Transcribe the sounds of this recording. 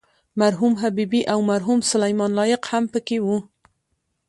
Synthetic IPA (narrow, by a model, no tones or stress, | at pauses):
maɾɦumɦabibiʔawmaɾɦumsʊlajmɑnlɑjɪqhampəkewu